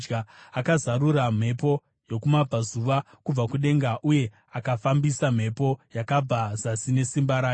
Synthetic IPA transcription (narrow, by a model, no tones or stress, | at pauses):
d͡ʒɡaakazaɾuɾam̤e̞po̞ | jo̞kumab͡vʱazuʋa | kub͡vakuɗe̞ŋɡaʔuje̞ | akafambisam̤e̞po̞jakab͡vazasine̞simbaɾaːj